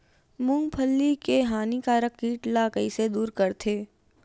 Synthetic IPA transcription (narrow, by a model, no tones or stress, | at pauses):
mʊ̃ŋɡ̚pʰəlːikeɦaːnikaːɾəkːiːʈlaːkəised̪uːɾkɐɾt̪ʰeː